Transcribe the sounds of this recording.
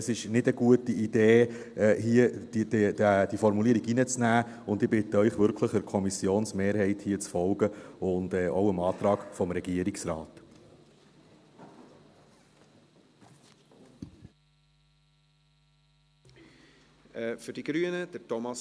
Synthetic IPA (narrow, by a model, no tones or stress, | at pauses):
sɪʃnɪdəɡuətiid̥eː | hiə̥dæd̥ifɔɾmuliəɾiɡinət͡snæː | ʊndɪbɪt̪əœʏχvʏɾkʰləχəɾkʰɔmisjoːnsmeːɾhɛɪthiːət͡sfɔlɡəʊndɛːʔowəmɑːt̪ɾɑːɡfɔmɾɛɡ̥iəɾiksɾɑːt | ɛfʏɾd̥iɡɾyənəd̥ətɔmɑs